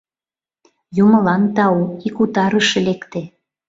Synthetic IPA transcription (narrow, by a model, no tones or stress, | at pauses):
jumɤ̆lɑnt̪ɑuikut̪ɑɾəʃĕlekt̪e